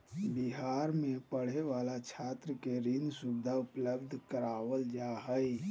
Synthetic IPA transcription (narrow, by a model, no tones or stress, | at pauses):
biɦaːɾmẽpəɽ̤eʋaːlat͡ʃʰaːt̪ɾəkeɾɪ̃nd̪sʊbd̪ʱaʊpləbd̪ʱkəɾaːwəld͡ʒaɦəi